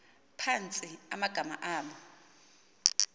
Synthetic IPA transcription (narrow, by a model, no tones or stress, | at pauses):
pʰant͡sʼiamaɡ̥ʱama̰ʔaːmɔ